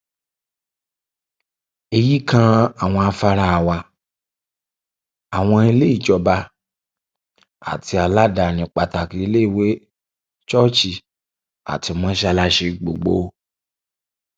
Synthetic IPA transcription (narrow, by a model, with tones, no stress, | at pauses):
e˧ji˦kã˦a˨w̃ɔ̃˧a˧fa˧ɾa˧a˨wa˧ | a˨w̃ɔ̃˧i˧le˦i˦˨d͡ʒɔ˧ba˧ | a̰˨ti˧˦a˨la˦da˨nĩ˨k͡pa˨ta˨ki˧i˧le˦i˦˨we˦ | t͡ʃɔ˦t͡ʃi˧ | a̰˨ti˧mɔ̃˦ʃa˧la˦ʃe˧ɡ͡bo̰˨ɡ͡bo˧˦